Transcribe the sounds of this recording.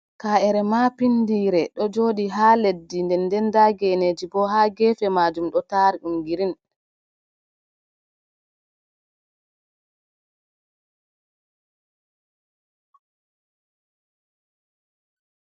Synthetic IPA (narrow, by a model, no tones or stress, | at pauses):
kaːɛɾɛmapindiːɾɛɗɔd͡ʒoːɗiɦaːledːindɛndɛndaɡɛned͡ʒibɔhaːɡɛːfɛmad͡ʒumɗɔtaːɾiɗumɡiɾin